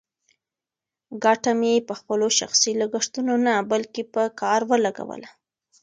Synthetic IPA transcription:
ɡɑʈamjepəxpəloʃa̰xsiləɡəʂt̪unonabalkepəkɑɾwəlaɡa̰wə̰la

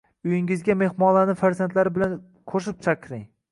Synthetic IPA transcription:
ʊjɪŋɪzɡʲame̞hmɒnlanɪfaɾzant̪laɾɪbɪlan | kʰoʃ̬ɪp̚t͡ʃʰaqʰɾɪŋ

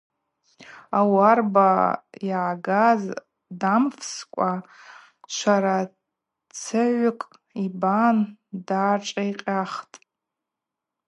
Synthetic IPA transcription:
awarbaiʕaɡaz | damfskʷʼa | t͡ʃʷʰaɾa | t͡sʰɨʕʷʊkʼ | ibandaːʈ͡ʂʼaiqʲʼaχtʼ

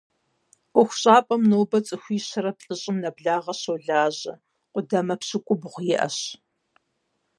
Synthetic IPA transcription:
ʔʷʊxʷɕʼaːpʼɐmnoːbɐt͡sʼɨxʷiːɕɐɾɐpɬʼɨɕʼɪmnɐbɮaːʁɐɕowɮaːʑɐ | qʷʊdɐmɐpɕɨkʷʼʊbʁʷʊjɪʔɐ̰ɕ

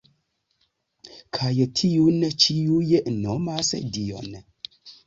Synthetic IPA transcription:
kʰajtʰiunt͡ʃiujənomasə̰dio̰n

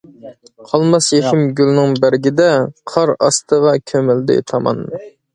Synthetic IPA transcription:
qʰɑlˠmɑsjeʃɪmɡʲylnɪŋbæɾɡʲid̪ɛqʰɑɾɑ̰st̪ʰəʁɑkʲʰømɪld̪ɪ̰t̪ʰɑmɑ̰nmu

